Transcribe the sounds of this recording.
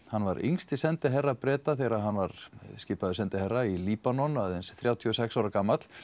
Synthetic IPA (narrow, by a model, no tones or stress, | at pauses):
hanːvaɾḭŋst̪ɪsɛnt̪ɪɦɛrːapɾɛːt̪aθɛɾaɦanːvaɾ̥scɪːpaðʏsɛnt̪ɪhɛrːailiːpanɔnaðɛnsθɾjaːwt̪ʰjɔsɛksawɾakaːmːat̪l̥